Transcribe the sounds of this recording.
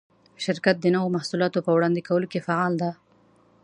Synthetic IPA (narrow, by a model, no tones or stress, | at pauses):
ʃɪɾkat̪̚d̪ənawomahsulɑt̪opəwɽɑnd̪ekawəlokefaʕɑld̪a